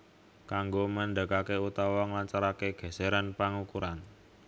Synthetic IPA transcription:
kaŋɡoməɳɖəkakeut̪awɔŋlaɲt͡ʃaɾakeɡ̥ɛ̤seɾanpaŋukuɾan

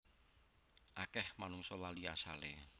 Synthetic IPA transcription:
ʔakɛhmanʊŋsɔlalia̰salḛ

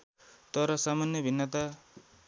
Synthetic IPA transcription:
t̪ʌɾʌsamanjʌbʱinːʌt̪a

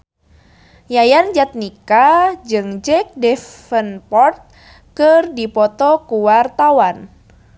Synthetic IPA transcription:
jajand͡ʒat̪̚nikad͡ʒɨŋd͡ʒɛk̚dɛfənpɔrt̪̚ | kɨrdipɔt̪ɔkuwart̪awan

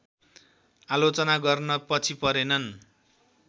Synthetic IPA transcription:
alot͡sʌnaɡʌrnʌpʌt͡sʰipʌɾenʌn

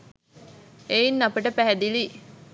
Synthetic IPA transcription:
einːapəʈəpæɦæd̪ili

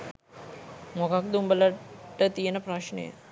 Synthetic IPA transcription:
mokak̚d̪umbələʈːət̪ijənəpɾaʃnə̰jə̰

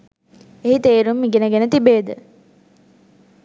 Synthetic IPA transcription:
eɦit̪eːɾumːiɡenəɡenət̪ibeːd̪ə

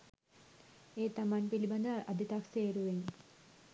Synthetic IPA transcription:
eːt̪ɐmanpilibɐnd̪ɐʔɐd̪ʱit̪akseːɾuʋen

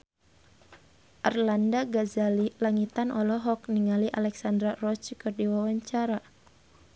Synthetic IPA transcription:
ʔarlandaɡazalilaŋit̪anʔɔlɔɦɔkniŋaliʔalɛksandɾarɔt͡ʃkɔrdiwawaɲt͡ʃaɾa

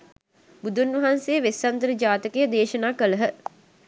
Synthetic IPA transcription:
bud̪ʱunʋɐɦansejəʋesːɐnt̪əɾəd͡ʒaːt̪əkejəd̪eːʃənaːkələɦə

